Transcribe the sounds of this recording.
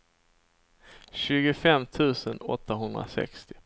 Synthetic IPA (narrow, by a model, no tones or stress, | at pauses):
ɕʉ̟ːɡəfɛmːt̪ʰʉ̟ːsənɔ̰t̪ʰːaɦɵnd̪ɾa̰sɛ̰kst̪ɪ